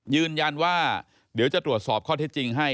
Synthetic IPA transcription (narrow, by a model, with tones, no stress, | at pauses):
jɯː˧nja˧nwaː˥˩ | di˩˦wt͡ɕa˨˩t̪ɾu˨˩ət̪̚sɔː˨˩p̚kʰɔː˥˩t̪ʰeː˥˩t͡ɕi˧ŋɦa˥˩j